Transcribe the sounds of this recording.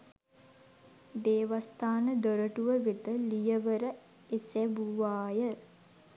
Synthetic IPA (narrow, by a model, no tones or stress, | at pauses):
d̪eːʋast̪aːnəd̪oɾəʈuʋəʋet̪əlijəʋəɾə | esɛbuʋaːjə